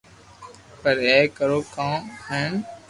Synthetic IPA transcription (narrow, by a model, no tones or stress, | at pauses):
pəɾeːkəɾoːkãːɦeːn